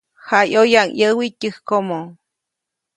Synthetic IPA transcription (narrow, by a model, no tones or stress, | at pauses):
hajojaŋjəwitɨhkomo